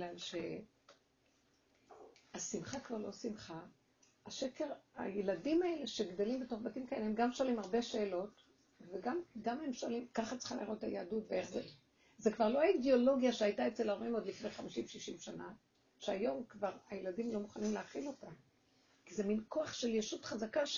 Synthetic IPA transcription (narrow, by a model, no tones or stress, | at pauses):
ɡlalʃe | asimχakvaʁlo̞simχa | aʃeke̞ʁa̰jeladimae̞le̞ʃeɡdelimbeto̞χbatimkaelehemɡamʃoalimaʁbe̞ʃe̞ːlo̞t | veɡamɡamhe̞mʃolimkaχat͡si̥χimliʁotajeadutbeeχze | zekvaʁlo̞aideo̞lo̞ɡjaʃeajtaet͡selaʁoimo̞d̪lifnejχamiʃimveʃiʃimʃana | ʃeajo̞mkvaʁajeladimlo̞muχanimleaχilo̞ta | kizeminko̞aχʃe̞ljeʃutχazaka